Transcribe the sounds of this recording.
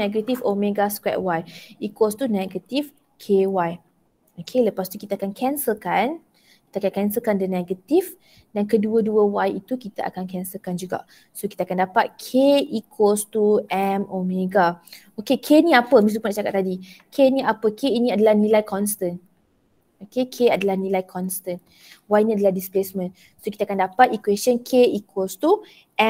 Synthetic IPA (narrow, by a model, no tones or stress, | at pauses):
ɛɡət̪ifomẽɡaskwɛ̰ʔ̚wajikost̪unɛɡət̪if | kʰewaj | okʰeləpast̪ukit̪akankʰɛnsəlkan | kit̪akankɛnsəlkandənɛɡət̪if | dankəduəduəwajit̪ukit̪aʔa̰kankɛnsəlkand͡ʒuɡa̰ʔ | sokit̪akandapat̪̚kʰeikʰost̪uɛmomeɡa | okekʰenĩapəmis̬t̪upunaʔt͡ʃakat̪ːadikʰeniʔapəkeinĩadəlahnĩlajkʰɔnst̪ən | okekʰeadəlahnĩlajkʰɔnst̪ən | wajnĩadəlahdisplesmə̃n | sokit̪akandapat̪ikwesənkʰeikʰolst̪u | ʔɛ